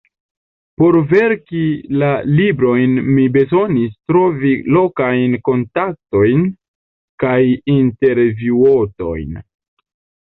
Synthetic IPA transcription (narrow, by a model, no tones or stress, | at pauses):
po̞ɾveɾkilalibɾo̞jnmibe̞zo̞nistɾo̞vilo̞kajnko̞ntak̚to̞jn | kajinte̞ɾvuoto̞̰jn